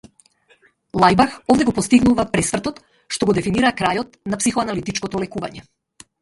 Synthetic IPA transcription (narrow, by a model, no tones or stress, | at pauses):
lˠajbaxɔvd̪ɛɡɔpɔst̪iɡnuvapɾɛsvrt̪ɔt̪ | ʃt̪ɔɡɔd̪ɛfiniɾakɾajɔt̪̚napsixɔanalit̪it͡ʃkɔt̪ɔlɛkuva̰ɲɛ